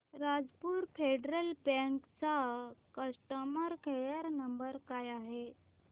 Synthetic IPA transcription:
ɾad͡zpuːɾfʰeɖɾəlbə̃ŋkt͡sakəsʈəməɾkʰejəɾnəmbəɾkajaɦe

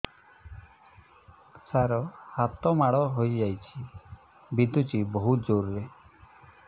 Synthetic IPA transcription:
saɾɔhat̪ɔmaɽɔɦojd͡ʒajt͡ʃʰi | bid̪ut͡ʃibɔɦut̪̚d͡ʒoɾɾe

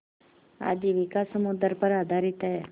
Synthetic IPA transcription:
a̰d͡ʒiʋikasəmud̪əɾpəɾad̪ʱaɾit̪əɦɛ

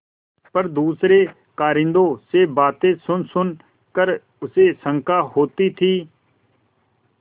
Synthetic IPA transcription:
pəɾd̪uːsɾeː | kaːɾɪ̃nd̪oːsebaːt̪eːsʊnsʊn | kəɾ | ʊseːsə̃ŋkaːɦoːt̪iːt̪ʰiː

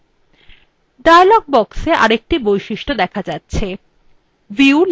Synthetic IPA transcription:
ɖaelɔɡ̚bɔkseʔa̰ɾek̚ʈibojʃiʃʈod̪ɛkʰad͡ʑatːɕʰe | viul

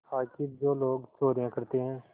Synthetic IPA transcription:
aːkid͡ʒoːloːɡt͡ʃoːɾijãkɐɾt̪eɦɛ̃ː

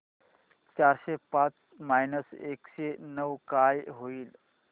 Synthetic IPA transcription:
t͡ɕaɾɕepãt͡s | majnəsekɕenəʋkajɦoiːl

